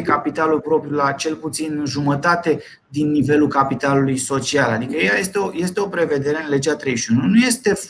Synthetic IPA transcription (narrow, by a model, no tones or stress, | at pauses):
kapit̪alulpɾo̞pɾjulat͡ʃe̞lput̪sinʒumət̪at̪e̞ | d̪inːive̞lulkapit̪alulujso̞t͡ʃialad̪ikəejaje̞st̪eoje̞st̪e̞o̞pɾe̞ve̞d̪e̞ɾe̞ɨnle̞d͡ʒeat̪ɾe̞jʃiununuje̞st̪e̞